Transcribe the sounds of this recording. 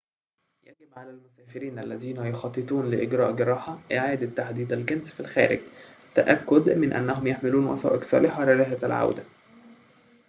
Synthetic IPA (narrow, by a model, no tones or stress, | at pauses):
jæɡɪbʕalælmʊsæːfɪɾiːnʔælːæziːnæjoxɑt̪ˤːɨt̪ˤuːnlɪʔɪɡɾɑ̰ːʔɡɪɾˤɑːħɑʔeʕaːd̪æt̪ːaħd̪iːd̪ælɡænsfilxæ̰ːɾɪ̰ɡt̪æʔækːʊd̪mɪnʔæ̰nːæɦomjeħmɪluːnwɑ̰sˤɑ̰ːʔeksˤɑ̰ːlɪħɑlɪɾæːɦæælʕa̰wd̪æ